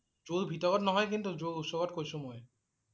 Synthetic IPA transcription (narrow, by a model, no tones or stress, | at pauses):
zolbʱitɔɡɔtnɔɦɔjk̬int̪uzolusɔɡɔtkojsũmoj